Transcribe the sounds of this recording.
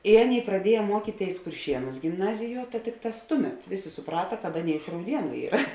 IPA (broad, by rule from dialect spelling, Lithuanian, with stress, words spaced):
ɪ ˈɑːˌnʲeːɪ prɐˈdʲiɛjɛ ˈmuɔkʲiːtʲeːɪs kʊrʲˈʃʲiɛnuːs ɡʲɪmˈnɑːzʲɪˌjuɔ tɐ ˈtʲɪkˌtɑːs ˈtʊˌmʲɛt ˈʋʲeːˌsʲeː sʊˈprɑːtɐ kɐt ˈɑːˌnʲeːɪ ɪʃ rɐʊˈdʲiɛnʊ ˈiːrɐ